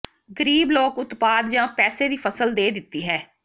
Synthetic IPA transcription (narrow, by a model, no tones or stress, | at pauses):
ɡəɾiːbloːkʊt̪paːd̪d͡ʒãːpɛːseːd̪iːpʰəsəld̪eːd̪ɪt̪ːiːɦɛː